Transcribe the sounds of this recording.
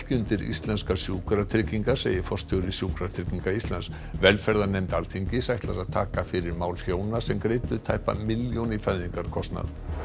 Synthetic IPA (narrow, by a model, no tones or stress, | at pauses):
hcʏnt̪ɪɾḭst̪lɛnskasjuːkɾat̪ʰɾɪciŋkasḛːjɪfɔr̥st̪ʰʏɣɾɪsjuːkɾat̪ʰɪciŋkaist̪lans | vɛlfɛɾðanejmt̪alt̪ʰiɲcɪsajht̪laɾaðt̪ʰaːkafɪɾɪɾmaːwlçjoːwnasɛmkɾejt̪ʏt̪ʰajhpa̰mɪljownifajðiŋkaɾkʰɔst̪na̰ð